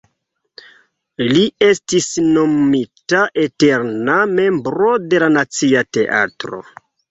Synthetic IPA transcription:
lie̞stisno̞mmitaʔete̞ɾname̞mbɾo̞de̞lanat͡siate̞ʔa̰tɾo̰

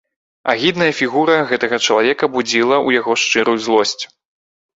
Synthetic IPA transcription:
a̰ɣʲid̪nɐjɐfʲiɣuɾɐɣɛt̪ɐɣɐt͡ʂɐlˠavʲɛkɐbud͡zʲilˠɐujaɣɔʂt͡ʂɨɾujuzlˠɔsʲt͡sʲ

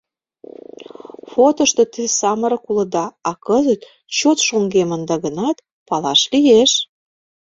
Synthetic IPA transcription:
fot̪ŏʃt̪ŏt̪ɨsɑməɾɤ̆kulə̆d̪ɑɑkəzət̪ | t͡ɕot̪ʃoŋɡemənd̪ɑɣənɑt̪ | pɑlɑʃlijeʃ

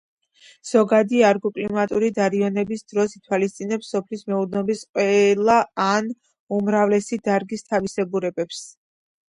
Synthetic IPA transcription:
z̥ɔɡad̪iaɾɡɔkʼlimat̪ʼuɾid̪aɾiɔnɛbisd̪ɾɔsit̪ʰwalist̪sʼinɛpsːɔpʰlismɛud̪nɔbisqʼwɛlˠaːn | umɾavlɛsid̪aɾɡist̪ʰavisɛbuɾɛbɛps

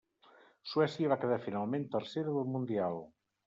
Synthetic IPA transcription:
suɛsjəβ̞akəðaɾfinalˠmẽnt̪əɾseɾəðəlˠmund̪ialˠ

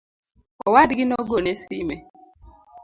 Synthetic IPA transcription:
ɔwadɡɪnɔɡonesime

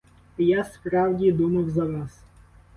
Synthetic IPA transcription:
jaspɾɑwdʲid̪umɐwzɐʋɑs

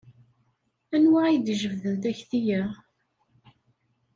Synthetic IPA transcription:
ænwaid̪ʒəvðənt̪æçθijæ

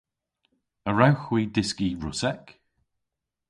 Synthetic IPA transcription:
əɹawxwiːdɪskiɹʊsɛk

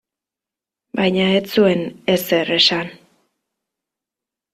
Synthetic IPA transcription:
bajɲaet͡sue̞ne̞se̞re̞san

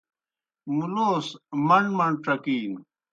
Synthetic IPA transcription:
muloːsmɐnmɐɳʈ͡ʂɐkiːn

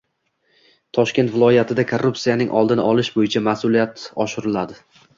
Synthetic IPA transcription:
t̪ʰɒʃkʲe̞nt̪vɪlˠɒjat̪ʰɪd̪akʰorːupsijanɪŋʔɒ̰lˠd̪ɪnɪʔɒlˠɪʃbojɪt͡ʃʰamasʊlijat̪ɒʃɪɾɪlad̪ɪ

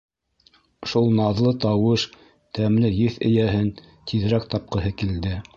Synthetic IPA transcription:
ʃulˠnɑðlˠɤt̪ɑwɤʃ | t̪æmlɘjɘθɘ̰̆jæɦɘn | t̪ʰið̆ɾæk̚t̪ɑp̚qɤ̆ɦɤkild̪ɘ

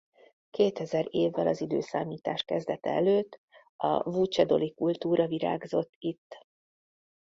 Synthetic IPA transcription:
keːt̪ɛzɛɾeːvːɛlɒzid̪øːsaːmiːt̪aːʃkɛzd̪ɛt̪ɛ̰ɛløːt̪ː | ɒ̰vuːt͡ʃɛd̪o̞likult̪uːɾɒviɾa̰ːɡzo̞t̪ːit̪ː

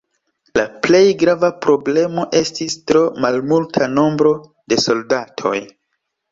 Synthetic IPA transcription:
laple̞jɡɾavapɾo̞ble̞mo̞ʔe̞stistɾo̞malmultʰano̞mbɾo̞ | de̞so̞ldatʰo̞̰j

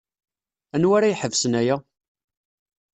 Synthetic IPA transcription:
ænwaɾajħəvsənæjæ

